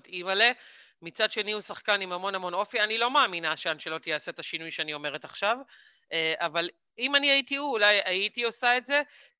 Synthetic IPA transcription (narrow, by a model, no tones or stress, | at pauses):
timale̞ | mit͡sadʃe̞niusaχkanimamo̞namo̞no̞fianilo̞maːminaʃeanʃelo̞t̪ijaːset̪aʃinujʃeanio̞me̞ʁet̪aχʃav | eʔaval | imaniait̪iuːlajaitio̞saetze̞